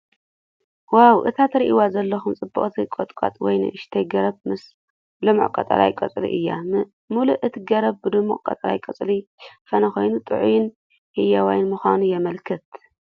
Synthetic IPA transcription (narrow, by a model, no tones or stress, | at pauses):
wawʔɨt̪ʰat̪ɾiʔiwazɐlːɐxumt͡sʼɨbɨχʼt̪ʰikʼot̪ʼkʼa̰t̪ʼwɔ̰jnɨ̰ʔɨʃt̪ʰɐjɡɐɾɐbmɨs | lɨmṵʔkʼɐ̰t̪ʼɐ̰la̰jkʼɐt͡sʼlḭʔɨjːa̰ | muluʔɨt̪ʰiɡɐɾɐb̚bɨd̪ɨmuʔʼkʼɐ̰t̪ʼɐɾa̰jkʼɐt͡sʼlifɐnɐxojnut̪ʼɨ̰ʕṵjɪn | hɨjːawajnmɨxʷanujɛmɐlkʰɨt̪